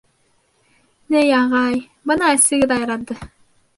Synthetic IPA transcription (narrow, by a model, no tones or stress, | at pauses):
nejɑʁɑj | bɤnɑæsɘ̆ɡɘd̪ɑjɑɾɑt̪ːɤ